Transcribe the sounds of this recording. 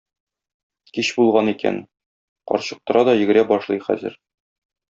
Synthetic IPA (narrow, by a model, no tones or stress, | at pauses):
kiɕbulˠʁɑnikæ̰n | qɒ̰ɾɕɤ̆q̚t̪ɤ̆ɾɑd̪ɒjɘ̆ɡɘ̆ɾæbɒʃlˠɤjχæ̰zɘ̰ɾ